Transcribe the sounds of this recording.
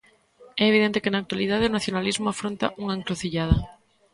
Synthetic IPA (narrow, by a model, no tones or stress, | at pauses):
ɛeːβiðent̪ekɪnaːk̚t̪waliðað̞eonaθjonalizmʊafɾont̪a̰ʔuŋaeŋkɾoθiʎað̞ɐ